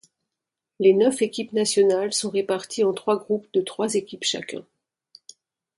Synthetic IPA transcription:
lenœfekʲipnasjɔnalsɔ̃ʁepaʁt̪ʰiɑ̃t̪χwaɡʁupd̪ət̪χwazekʲipʃa̰kʲɛ̰̃

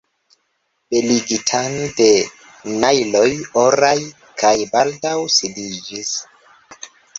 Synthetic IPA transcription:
b̥eliɡitʰande̞ | najlo̞joɾaj | kʰajbaldawsidid͡ʒis

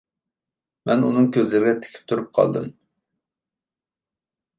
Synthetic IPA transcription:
mɛnunɨŋkʲøzlɪɾɡʲɛt̪ʰɪ̥kʲʰi̥p̚t̪ʰuɾup̚qʰɑ̰lˠd̪ɨ̰m

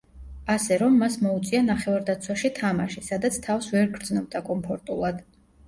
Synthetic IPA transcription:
asɛɾɔmːasmɔut̪sʼianaχɛvaɾd̪at̪sʰwaʃit̪ʰamaʃisad̪at̪sʰt̪ʰafsvɛɾɡɾd̪znɔb̚d̪akʼɔmpʰɔɾt̪ʼulˠad̪̥

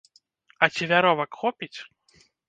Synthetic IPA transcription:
ɐt͡sʲivʲaɾɔvɐkxɔpʲit͡sʲ

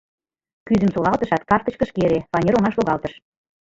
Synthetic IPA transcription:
kyzə̆msolɑlt̪ə̆ʃɑt̪kɑrt̪ə̆t͡ɕkə̆ʃkeɾefɑnʲeɾoŋɑʃloɣɑlt̪ə̆ʃ

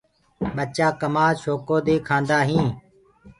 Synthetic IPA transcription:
ɓət͡ʃaːkəmaːʃoːkoːd̪eːkʰãːnd̪aːɦĩː

